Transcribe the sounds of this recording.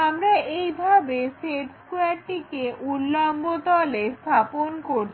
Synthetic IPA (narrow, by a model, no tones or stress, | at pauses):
amɾaʔejbʱabesepskuaɾʈikeʔulːambot̪ɔlest̪ʰaponkoɾ